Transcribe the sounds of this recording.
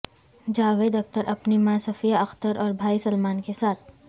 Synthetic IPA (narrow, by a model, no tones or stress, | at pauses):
d͡ʒaːʋeːd̪ɐk̚t̪əɾʔɐpnimãsɐfijaɐxt̪əɾʔɔːɾbʱaːisɐlmaːnkesaːt̪̚ʰ